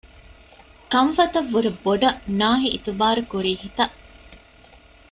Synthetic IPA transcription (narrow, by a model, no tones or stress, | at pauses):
kɐɱfɐt̪ɐʋːuɾeboɖɐnaːɦiʔːt̪uʋaːɾukuɾiːhit̪ɐʔ